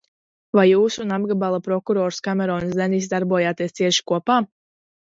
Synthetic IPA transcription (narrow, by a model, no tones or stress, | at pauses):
vajːuːsunabɡabalˠapɾɔkuɾɔːɾskamɛɾɔːnsɛnis̬d̪aɾbuɔjaːt̪iɛst̪siɛʃi̥kuɔpaː